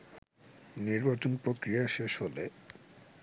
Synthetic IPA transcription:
niɾbat͡ɕonpɾokɾiaʃeʃɦole

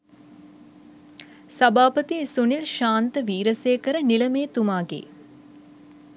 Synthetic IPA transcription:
sɐbʱaːpət̪isunilʃaːnt̪əʋiːɾəseːkəɾənilɐmeːt̪umaːɡḛː

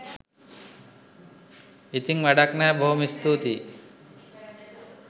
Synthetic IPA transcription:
it̪iŋmɐɖaknajbʱoɦumist̪ut̪i

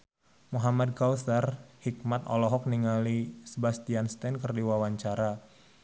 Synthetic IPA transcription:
muɦamad̪̚kawsarhik̚mat̪ɔ̰lɔɦɔk̚niŋalisəbast̪ianst̪ankərdiwawaɲt͡ʃaɾa

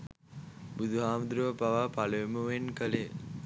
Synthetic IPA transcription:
bud̪ʱuɦaːməd̪ɾuʋəpaʋaːpalɐʋeməʋenkəle

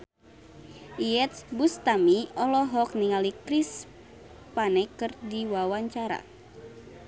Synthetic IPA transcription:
ʔiɛt̪sbust̪amiɔlɔɦɔk̚niŋalikɾis | panɛkɨrdiwawaɲt͡ʃaɾa̰

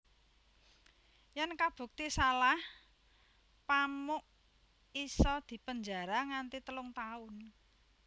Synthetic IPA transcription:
jankab̥ṳk̚t̪isalah | pamʊʔ | isɔd̪̥i̤pəɲd͡ʒa̤ɾaŋant̪it̪əlʊŋt̪aʊn

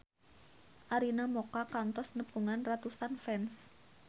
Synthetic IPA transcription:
ʔaɾinamokakant̪ɔsnəpuŋanrat̪usanfɛns

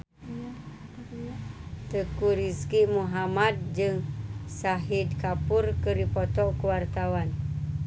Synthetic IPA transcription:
t̪əkuɾiskimuɦamad̚d͡ʒɨŋsaɦid̪kapurkəɾipɔt̪ɔʔkuwart̪awan

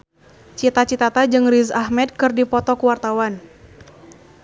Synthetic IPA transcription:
t͡ʃit̪at͡ʃit̪at̪ad͡ʒɨŋrizahmɛd̪̚kɨrdipɔt̪ɔkuwart̪awan

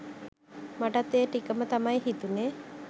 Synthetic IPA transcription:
maʈat̪ːeʈikəmət̪amajɦit̪une

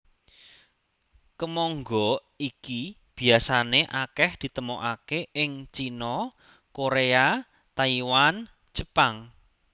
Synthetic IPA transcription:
kəmɔŋɡɔ | iki | b̥i̤asaneʔakɛhd̪̥i̤t̪əmoʔakeʔɪŋt͡ʃinɔ | koɾea | t̪aiwan | d͡ʒ̥əpaŋ

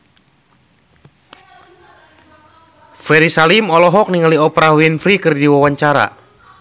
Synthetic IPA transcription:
fɛɾisalimɔlɔɦɔk̚niŋaliɔpɾawinfɾikɨrdiwawaɲt͡ʃaɾa̰

